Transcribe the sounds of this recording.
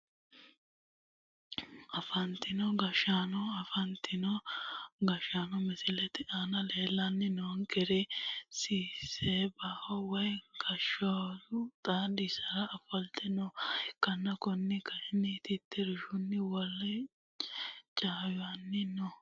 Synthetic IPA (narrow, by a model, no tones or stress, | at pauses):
ɐfɐnt̪ɪnɔɡɐʃaːnɔɐfɐnt̪ɪnɔɡɐʃanɔmɪsɪlɛt̪ːɪʔanɐle̞ːlːɐnːɪnoŋkɛɾɛsiːseːbahɔwɐjɡ̥ɐʃɔdʊt̪ʼaːd̪ɪsɐɾɐʔːfɐlt̪ɛnɔkːɐnːɐkɔnːɪkɐɪnɪt̪ɪt̪ːɛɾɪʃʊnːɪwɔlːɛ | t͡ʃʼaːjʊɐnːɪnɔ